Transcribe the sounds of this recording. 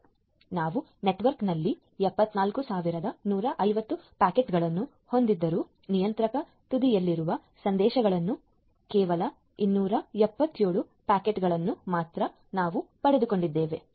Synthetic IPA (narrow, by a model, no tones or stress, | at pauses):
naːʋu | ne̞ʈʋɐɾknɐlːi | ɛpːɐt̪ːnaːlkusaːʋiɾɐd̪ɐnuːɾɐʔɐjʋɐt̪ːupaːkeʈɡɐɭɐnːu | ho̞nd̪id̪ːɐɾuː | nijɐnt̪ɾɐkɐ | t̪ud̪ijɐlːiɾuʋɐ | sɐnd̪ɛːʃɐɡɐɭɐnːu | kɛːʋɐlɐ | inːuːɾɐɛpːɐt̪ːjoːɭu | paːkeʈɡɐɭɐnːumaːt̪ɾɐ | naːʋupɐɽe̞d̪uko̞ɳɖid̪ːeːʋe̞